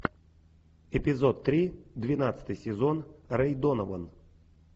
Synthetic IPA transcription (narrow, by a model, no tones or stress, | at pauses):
ɛpʲɪzɔt̪ːɾʲid̪vʲɪnat̪sɨ̥t̪ɨjsʲɪzɔnrɛjd̪ɔnəvən